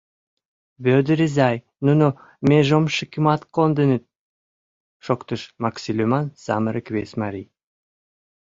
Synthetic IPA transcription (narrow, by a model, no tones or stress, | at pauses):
bød̪ɾizɑj | nuno | mʲeʒomʃəkʲimɑt̪kond̪ə̆nɘt̪̚ | ʃokt̪əʃmɑksʲilʲemɑnsɑ̰məɾəkβʲesʲmɑɾʲij